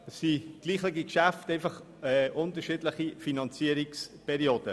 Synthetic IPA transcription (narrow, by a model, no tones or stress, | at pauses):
ɛsːiɡ̥liːχleɡikʃæfteɪfɑχ | ɛʔʊntəɾʃiːdləχifinɑnt͡siəɾikspʰɛɾioːd̥ə